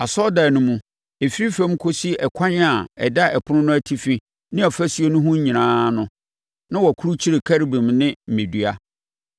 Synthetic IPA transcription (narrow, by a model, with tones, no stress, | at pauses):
a˨sɔ˦da˨nʊ̃˦mũ˨ | e˨fi˦ɾi˦fɛ̃˦m˦kʰo˦si˦ɛ˨kʷʰã˦ɲ˦a˨ɛ̰˨da˦ʔɛ˨pʰʊ˦nʊ̃˦nʊ̃˦æ˦tʰi˦fi˦ | nɪ̃˦ɔ˨fæ˦sɥe˦nʊ̃˦ɦʊ̃˦ɲ̩˦ɲĩ˨nãː˦nʊ̃˦ | nã˦wɔ˨kʰu˦ɾu˦t͡ɕʰi˦ɾe˨kʰæ˦ɾi˨bĩ˨mnɪ̃˦m̩˨mɪ̃˨dɥa˦